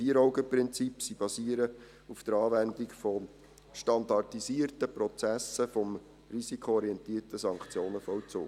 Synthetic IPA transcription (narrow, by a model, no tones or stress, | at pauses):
fiːəɾɔwɡəpɾɪnt͡sipsib̥ɑsiːəɾə | ufd̥əɾɑːʋændikfɔ | ʃtɑndɑrtisiərtəprɔt͡sæsəfɔm | risikʰoɔɾiɛntiːərtəsɑŋkt͡sjoːnəfɔwt͡so̰ː